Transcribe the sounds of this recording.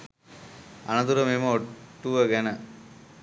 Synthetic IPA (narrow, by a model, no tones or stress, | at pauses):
ɐ̰nɐd̪uɾɐmemɐoʈːuʋɐɡɐnɐ